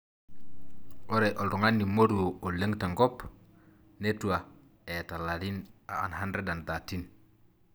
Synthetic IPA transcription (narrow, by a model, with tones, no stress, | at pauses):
o˦ɾe˨ʔo˨ldu˨ŋa˦nːi˨mo˦ɾu˨wo˨o˨le˦ŋta˨ŋɡo˦p | ne˦tu˨a˨ | e˨ta˨la˨li˦na˨a˨nha˦nɾe˦da˨nda˨ti˦n